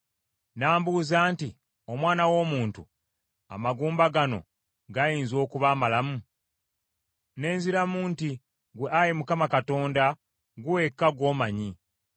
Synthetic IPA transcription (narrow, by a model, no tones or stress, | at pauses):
naːmbuːzaːnti | o̞mwaːnawo̞ːmuːntṵ | a̰maɡuːmbaɡano̞̰ | ɡajiːnzo̞ːkuβaːmalamu | ne̞ːnziɾamuːnti | ɡweʔaɾimukamakato̞ːnda | ɡuwe̞kːaɡwo̞ːmaɲi